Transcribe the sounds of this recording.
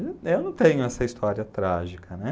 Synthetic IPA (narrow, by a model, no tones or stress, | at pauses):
ewnɐ̃w̃t̪ẽɲʊɛsɐist̪ɔɾiɐt̪ɾaʒikʰɐnɛ